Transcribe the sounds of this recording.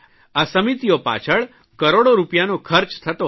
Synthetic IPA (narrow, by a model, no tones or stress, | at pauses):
asəmit̪ijopa̰t͡ʃʰəɭ | kəɾoɽoɾupjanokʰəɾt͡ʃt̪ʰət̪o